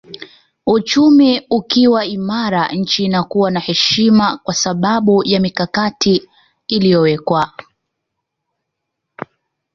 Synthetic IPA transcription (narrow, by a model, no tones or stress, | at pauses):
ut͡ʃumiukiwaimaɾaɲ̩t͡ʃiːnakuwanahɛʃimakwasaɓaɓujamikakatʰiː | lijɔwɛkwa